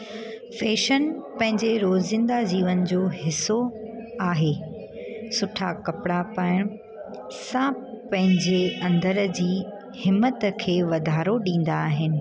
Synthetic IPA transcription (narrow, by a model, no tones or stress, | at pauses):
feːʃənpɐ̃ɦɪ̃ɲd͡ʑeɾoːzzɪ̃nd̪ad͡ʑiːʋənd͡ʑoːɦɪsːoaːɦeː | sʊʈʰakɐpɪɽapaːɪɽ̃ | sãːpɐ̃ɦɪ̃ɲd͡ʑeɐ̃nd̪əɾd͡ʑiː | hɪmːət̪kʰeːʋɐd̪ʱaːɾoɗĩːn̆d̪aːɦɪnɪ̆